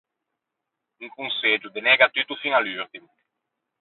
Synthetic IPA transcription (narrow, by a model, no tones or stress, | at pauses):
uŋkũnsed͡ʒud̪enɛɡat̪yt̪ufiŋalyɾd̪im